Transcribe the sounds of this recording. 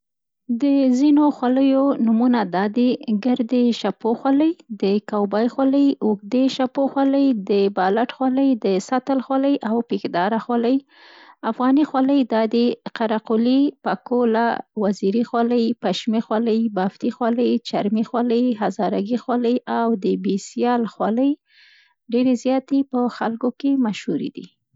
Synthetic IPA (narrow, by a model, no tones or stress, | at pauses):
d̪əzinoxwaləjonumunad̪ɑd̪eɡəɾd̪eʃapoxwaləjd̪əkawbɑjxwaləjʊɡd̪eʃapoxwɑləjd̪əbɑlaʈxwɑləjd̪əsat̪əlxwaləjʔawpikd̪ɑɾaxwaləj | afɣɑnixwaləjd̪ɑd̪eqaɾaqʊlipakola̰waziɾixwɑləjpaʃmixwɑləjbaft̪ixwɑləjt͡ʃaɾmixwɑləjɦazɑɾaɡixwɑləjawd̪əbisjɑlxwɑləj | ɖeɾezjɑt̪epəxalkokemaʃhuɾḭd̪ḭ